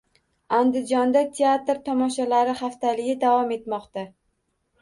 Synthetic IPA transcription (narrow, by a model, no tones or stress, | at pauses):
and̪ɪd͡ʒɒnd̪at̪ʰe̞at̪ɾt̪ʰɒmɒʃalaɾɪχaft̪ʰalɪɡʲɪd̪avɒme̞t̪mɒqt̪a